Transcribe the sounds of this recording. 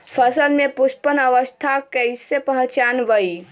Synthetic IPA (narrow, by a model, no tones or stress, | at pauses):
pʰəsəlmepuspənəʋəst̪ʰakəjsepəɦt͡ʃanʋəj